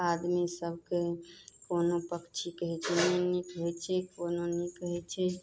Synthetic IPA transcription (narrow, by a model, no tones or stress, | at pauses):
ad̪misəbʱkekonopəkt͡ʃʰikəɦɛt͡ʃʰɛnenikɦet͡ʃʰɛkononikɦɛt͡ʃʰɛ